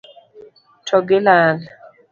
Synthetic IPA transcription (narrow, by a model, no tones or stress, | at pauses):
tʰɔɡɪlal